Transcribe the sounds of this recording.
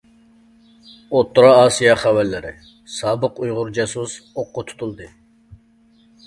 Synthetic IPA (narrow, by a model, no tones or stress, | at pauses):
ot̪ːuɾɑɑːsijɑχɛwɛlːɪɾɪ̰ | sɑːbəqujʁʊɾd͡ʒɑsuzoqːʊt̪ʰu̥t̪ʰulˠd̪ɨ